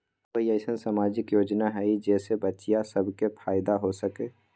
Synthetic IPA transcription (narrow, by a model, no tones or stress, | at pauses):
ʋəɦiəsə̃nsaːmaːd͡ʒɪkjoːd͡ʒnaɦɛid͡ʒɛːsebɐtːʃijasəbʱkepʰaːɪd̪aɦosəkeː